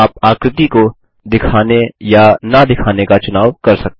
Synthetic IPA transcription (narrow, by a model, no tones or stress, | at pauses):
aːpaːkɾɪt̪iko | d̪ɪkʰaːnejanɐd̪ɪkʰaːnekat͡ʃʊnaːʋkɐɾsɐk̚t̪